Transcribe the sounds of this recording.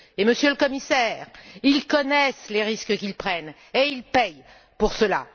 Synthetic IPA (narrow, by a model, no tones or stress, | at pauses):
eməsjøləkɔmisɛʁilkɔnɛsleʁiskəkʲilpχɛn | eilpɛj | puʁsəla̰